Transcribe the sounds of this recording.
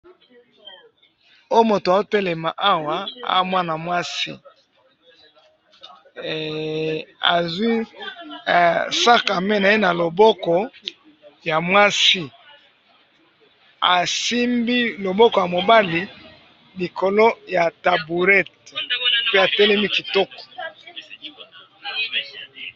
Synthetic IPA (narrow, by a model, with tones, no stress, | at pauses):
o˦jo˦mo˨to˨a˨o˦tɛ˦lɛ˨ma˨ʔa˦wa˨a̰˨˦mwa˦na˨mwa˦si˦ | a̰˨zwi˦˨ | sa˦ka˨me˦na˨e˦na˨lo˨bɔ˦kɔ˨ | ja˨mwa˦si˦ | a̰˨si˦mbi˦lo˨bɔ˦kɔ˨ja˨mo˨ba˦li˨ | li˨kʰo˨lo˦ja˨ta˨bu˨ʁɛ˦t̚ | pe˦a˨tɛ˦lɛ˦mi˦ki˨tɔ˦kɔ̥˨